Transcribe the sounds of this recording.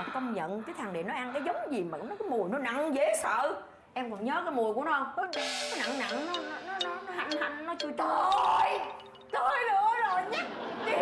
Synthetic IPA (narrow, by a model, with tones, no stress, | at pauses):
kə˧wŋ͡mɲə̰˧˨nkaː˨˦t̪ʰaː˨˩ŋɗḛ˨˩nɔ˨˦jʔa˧nkaː˨˦jzə˨˦wŋ͡mzi˨˩ma̰ː˨˩˨ŋ͡mnɔ˨˦kːmu˨˩əjnɔ˨˦na̰˧˨ŋze˧˨˦sə̰ː˧˨ | ʔɛ˧mkɔ˨˩nɲəː˨˦kaː˨˦jmu˨˩əjku˧˩ənɔ˧hɔ˨˦˧kɔ˨˦jna̰˧˨ŋna̰˧˨ŋnɔ˨˦nɔ˨˦nɔ˨˦nɔ˨˦nɔ˨˦ha˨˧˩ŋha˧jŋ̟nɔ˨˦t͡ɕɨ˧t̪ə˧˩˧j | t̪o˧jnɨ˧əzo˨˩jɲa˦˥ɗi˨˦